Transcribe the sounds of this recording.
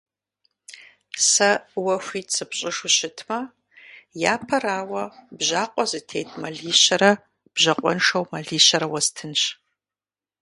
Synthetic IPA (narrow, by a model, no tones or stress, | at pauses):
sɐwɐxʷiːt͡sʰʼɨpɕʼɪʂʊɕɪtʰmɐ | jaːpʰɐraːwɐbʑaːqʷʼɔzɨtʰeːt̚ʰʼmɐɮiːɕɐɾɐ | b̥ʑɐqʷʼɔnʂɐwmɐɮiːɕɐɾɐwɐztʰɨnɕ